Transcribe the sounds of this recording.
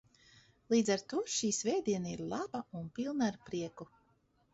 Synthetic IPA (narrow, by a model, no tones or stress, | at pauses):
lˠiːd̪zaɾt̪uːʃiːsvɛjd̪iɛnaiɾlˠabaunpilˠnaaɾpɾiɛku